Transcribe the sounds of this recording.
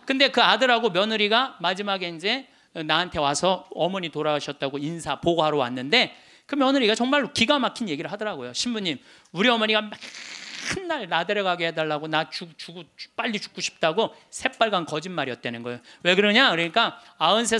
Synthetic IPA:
kɯnde̞kɯadɯɾaɡomjʌnɯɾiɡamad͡ʑimaɡe̞ind͡ʑe̞ | naɦantʰe̞wasʰʌʌmʌɲitoɾaaɕʰʌt̚t͈aɡoinsʰapoɡoɦaɾowa̰nːɯnde̞ | kɯmjʌnɯɾiɡat͡ɕʌŋmaɭokiɡamakʰinje̞ɡiɾɯɭhadʌɾaɡojoɕʰimbuɲːim | uɾiʌmʌɲiɡamakʰɯnːaɭnadeɾjʌɡaɡeɦedaɭːaɡonat͡ɕut͡ɕuɡo̥p͈aʎːit͡ɕu̥k͈oɕʰi̥p̚t͈aɡosʰe̞p͈aɭɡankʌd͡ʑinmaɾijʌt̚t͈enɯnɡʌejowe̞kɯɾʌɲakɯɾʌɲik͈a | aɯnsʰe

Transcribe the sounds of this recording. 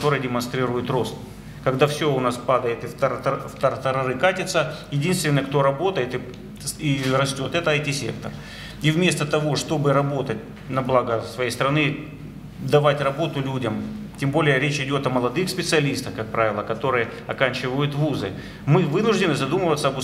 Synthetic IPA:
t̪o̞ɾɨjdʲɪmɐnst̪ɾʲiɾʊjʊt̪ro̞st̪ | kɐɡd̪afsʲoʊnaspad̪əjɪt̪ɪft̪ft̪əɾt̪ɐɾɐɾɨkatʲɪt̪səjɪdʲinst̪vʲɪnːəjk̚t̪o̞ɾɐbo̞t̪əjɪt̪ɨ | irɐsʲtʲo̞t̪ɛt̪əɐjtʲisʲḛk̚t̪ər | ivmʲe̞st̪ət̪ɐvo̞ʂt̪o̞bɨɾɐbo̞t̪ət̚ʲ | nɐblˠaɡəsvɐjejst̪əɾɐnɨ | d̪ɐvatʲrɐbo̞t̪ʊlʲudʲəmtʲembo̞lʲɪjəɾʲet͡ɕɪdʲo̞t̪ɐməlˠɐd̪ɨxspʲɪt̪sɨɐlʲist̪əxkɐk̚pɾavʲɪlˠəkɐt̪o̞ɾɨjə | ɐkanʲt͡ɕɪvəjʊt̪vuzɨ̰ | mɨvɨnʊʐdʲɪnɨzɐd̪uməvət̪səɐbʊ

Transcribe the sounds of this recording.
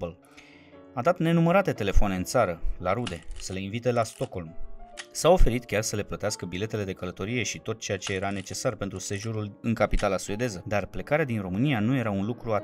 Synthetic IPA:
l | ad̪at̪ne̞numəɾat̪e̞t̪e̞le̞foane̞ɨnt̪saɾəlaɾud̪e̞səle̞invit̪e̞last̪o̞ko̞lmsao̞fe̞ɾit̪kʲarsəle̞plət̪easkəbile̞t̪e̞le̞d̪e̞kələt̪o̞ɾije̞ʃit̪o̞t̪̚t͡ʃe̞jat͡ʃe̞je̞ɾane̞t͡ʃe̞sarpe̞nt̪ɾuse̞ʒoɾulɨŋkapit̪alasue̞d̪e̞zəd̪arple̞kaɾead̪inro̞mɨnijanuje̞ɾaunlukɾua

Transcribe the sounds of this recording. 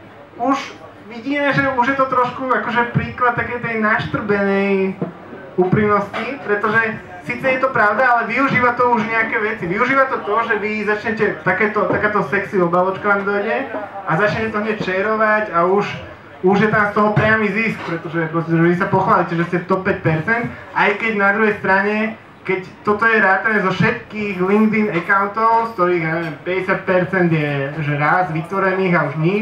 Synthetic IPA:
uʒ | ʋiɟiːmɛʒɛuʒjɛt̪ɔt̪ɾɔʃkuakɔʒɛpɾiːklat̪̚t̪akɛjt̪ɛjnaʃt̪r̩bɛnɛj | upɾimnɔscipɾɛt̪ɔʒɛ | siːt͡sɛjɛt̪ɔpɾaʊd̪aalɛʋiuʒiːʋat̪ɔuʒɲɛakɛːʋɛt͡siʋiuʒiːʋat̪ɔt̪ɔʒɛʋizat͡ʃɲɛcɛt̪akɛːt̪ɔt̪akɛt̪ɔsɛksiɔbalɔt͡ʃkat̪amd̪ɔjɟɛazat͡ʃɲɛcɛt̪ɔɦɲɛct͡ʃɛɾɔʋaɟauʃ | uʒjɛt̪amst̪ɔɦɔpɾɪamiːzisk̚pɾɛt̪ɔʒɛpɾɔstɛʒɛʋisapɔxʋaːlicɛʒɛscɛt̪ɔpːɛc̚pɛɾt͡sɛnt̪ʔajkɛɟnad̪ɾuɦɛjst̪ɾaɲɛ | kɛct̪ɔt̪ɔjɛɾaːt̪anɛzɔfʃɛt̪̚kiːɣliŋɡd̪inɛkaʊnt̪ɔʊskt̪ɔɾiːɣjaɛʋɛmpɛɟɛsat̪̚pɛɾt͡sɛnd̪jɛʒɛɾazʋit̪ʋɔɾɛniːɣauʒɲi

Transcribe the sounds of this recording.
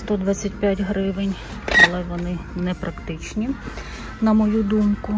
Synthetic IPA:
st̪ɔd̪ʋat͡sʲːɐtʲpʲjatʲɦɾɪʋenʲ | ɐlˠɛʋɔnɪnɛpɾɐkt̪ɪt͡ʃnʲi | nɐmɔjud̪umkʊ

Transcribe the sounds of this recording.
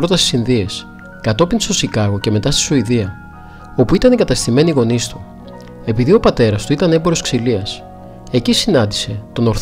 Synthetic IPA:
ɾo̞t̪ɐsi̥sinðie̞s | kɐt̪o̞pinst̪o̞sikɐɣo̞ce̞me̞t̪ɐst̪i̥suiðiɐ | o̞puit̪ɐnikɐt̪ɐst̪ime̞niɣo̞nist̪u | e̞piðio̞pɐt̪e̞ɾɐst̪uit̪ɐneboɾo̞sksiliɐs | e̞cisinɐnd̪ise̞t̪o̞no̞ɾθ

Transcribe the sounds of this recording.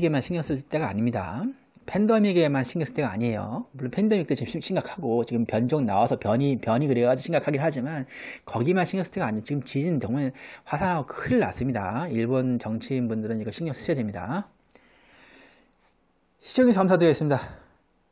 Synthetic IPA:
ɡemanɕʰiŋjʌs͈ɯɭt͈e̞ɡa̰ːɲimɲida̰ | pʰe̞ndʌmiɡemanɕʰiŋjʌs͈ɯ̥t͈eɡaa̰ɲiɦe̞jo̰muɭːonpʰendemik̚t͈ot͡ɕimɕʰiŋɡakʰaɡot͡ɕiɡɯmpjʌnd͡ʑoŋna̰wasʰʌpjʌɲipjʌɲikɯɾeɡad͡ʑuɕʰiŋɡakʰaɡiɾɭɦad͡ʑimankʌɡimanɕʰiŋjʌs͈ɯ̥t͈eɡaːɲiot͡ɕiɡɯmt͡ɕid͡ʑinɯnt͡ɕʌŋmaɭwasʰaŋɦaɡokʰɯɭːa̰s͈ɯmɲida̰iɭbont͡ɕʌŋt͡ɕʰinbundɯɾɯniɡʌɕʰiŋjʌs͈ɯ̥ɕʰʌdwemɲida̰ | ɕʰid͡ʑʌŋesʰʌkamsʰadɯɾʌɡes͈ɯmɲida

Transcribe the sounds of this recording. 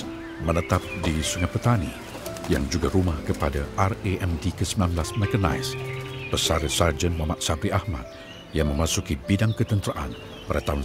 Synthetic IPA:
mənət̪ap̚disuŋapət̪anḭ | jaŋd͡ʒuɡaɾumahkəpadaʔareʔɛmdikəsəmbilamblasmɛkəna̰jspəsaɾəsard͡ʒənmamaʔsabɾiahma̰t̪̚ | jaŋməmasukibidaŋkət̪ənt̪əɾaʔa̰n | padat̪aɦun

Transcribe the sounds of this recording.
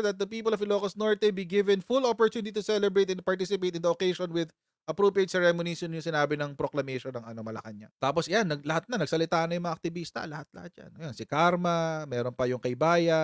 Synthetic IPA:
d̪ɐt̪̚d̪ɐpiːpɐlɔvlokɐsnoɹt̪ɛbiɡɪvɛnfulopoɹt̪juːnɪt̪it̪ʊsɛlɛbɹejt̪ɛ̃n̚pɐɹt̪isɪpejt̪ɪnd̪ɐʔokejʃonwɪd̪ | ʔɐpɾopiejt̪sɐɹɛmʊnisonjʊŋsɪnaːbɪnɐŋpɾoklɐmeʃonɐŋɐno̞mɐlɐ̰kɐnɲat̪aːposʔɐjanːɐɡ̚lɐhat̪̚nɐnɐɡsɐlɪt̪aːnɐjʊŋmɐŋɐʔɐk̚t̪ɪbiːst̪ɐ̰lɐhat̪̚lɐ̰hat̪̚d͡ʒa̰nojansɪkaɾmɐmɛːɾonpɐjʊŋkɐjbaːjɐ

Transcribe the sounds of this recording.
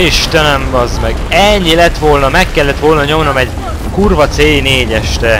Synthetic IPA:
iʃt̪ɛnɛmɡɒzmɛɡɛɲːilɛt̪ʋo̞lnɒmɛkːɛlːɛt̪ʋo̞lnɒɲo̞mno̞mɛɟ | kurvɒt̪seːjneːɟɛʃt̪ɛ

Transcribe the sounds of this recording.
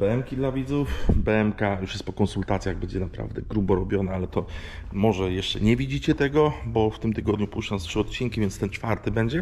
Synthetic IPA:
b̥ɛɛmkʲid̪lavʲid̪zufbɛɛmkajuʂjɛst̪pɔkɔnsult̪at̪sʲjaɣbɛɲd͡ʑɛnapɾa̰vd̪ɛɡɾubɔɾɔbʲjɔnaalɛt̪ɔ | mɔʐɛjɛʂt͡ʂɛ̰ɲɛvʲid͡ʑit͡ɕɛt̪ɛɡɔbɔft̪ɘmt̪ɘɡɔd̪ɲupwuʂt͡ʂɛnstʂɘɔt̪̚t͡ɕiŋkʲivʲjɛnt̪st̪ɛnt͡ʂfaɾt̪ɘbɛɲd͡ʑɛ

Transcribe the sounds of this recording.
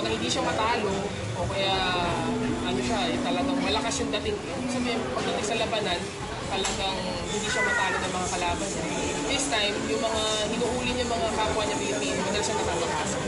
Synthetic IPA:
nɐhɪnd̪iːʃamɐt̪aːlo | ʔokɐjaʔ | ʔɐnoʃaʔɛt̪ɐlɐɡaŋmɐlɐkɐsjoŋd̪ɐt̪ɪŋɛ | sabɛpɐɡ̚d̪ɐt̪ɪŋsɐlɐbɐnɐn | t̪ɐlɐɡaŋ | hɪnd̪iʃamɐt̪aːlonɐŋmɐŋakɐlaːbɐnsɐ | i | fɛst̪ajmjʊŋmɐŋahɪnuʔuːlɪɲʊŋmɐŋakaːpwɐɲɐpɐjɐpiːnmɐnɐnʃanɐt̪aːwɐɡkɐs

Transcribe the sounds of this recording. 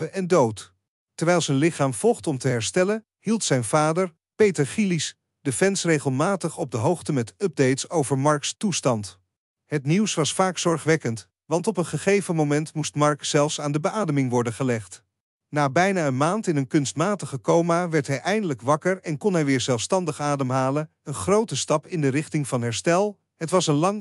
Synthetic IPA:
əʔɛndowt | tɛɹʋɛjlˠzɛnlɪχaːmv̥ɔlˠχtɔmtəɦɛɹstɛlən | hilˠtsɛjnvaːdəɹ | pejtəɹχilis | d̥əfɛnsrejχəlˠmaːtəχɔb̚dəɦowχtəmɛtəb̚dejtsowvəɹmɑɹkstustɑnt | ɦətniwsʋɑsfaːksɔɹχʋɛkənt | ʋɑntɔpənχəχejvəmomɛntmustmɑɹksɛlˠfsaːndəbəʔaːdəmɪŋʋɔɹdənχəlɛχt | naːbɛjnaːənmaːntɪnənkɵnstmaːtəχəkowmaʋɛɹtɦɛjʔɛjndələkʋɑkəɹɛnkɔnɦɛjʋɪːɹzɛlˠfstɑndəχaːdəmɦaːlən | ənχrowtəstɑpɪndərɪχtɪŋvɑnɦɛɹstɛlˠ | ɦətʋɑsənlɑŋ

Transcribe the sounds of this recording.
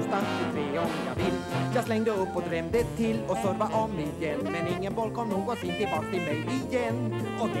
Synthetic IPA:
st̪anɪt̪ʰɾeːɾɔ | a̰vɪljɑːɡslɛŋd̪əɵpːɔd̪ɾɛmd̪ət̪ʰːɪlɔsœɾvaʔɔmmɪjɛnːmɛnɪŋːənbɔlkʰɔmnuːɡɔt̪sɪnt̪ɪlbɑːkat̪ʰɪlmɛjɪjɛnː | ɔ

